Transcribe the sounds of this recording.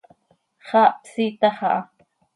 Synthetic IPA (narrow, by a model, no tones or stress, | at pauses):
χɑʔpsit̪ɑχɑʔɑ